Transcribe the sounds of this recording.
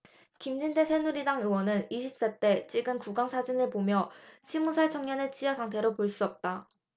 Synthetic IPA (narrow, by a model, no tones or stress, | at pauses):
kimd͡ʑinde̞sʰe̞nuɾidaŋɯwʌnɯniɕʰip̚s͈et͈e̞t͡ɕ͈iɡɯnkuɡaŋsʰad͡ʑinɯɭpomjʌɕʰimusʰaɭt͡ɕʰoŋɲʌne̞t͡ɕ͈ijʌsʰaŋtʰe̞ɾopoɭs͈uʌp̚t͈a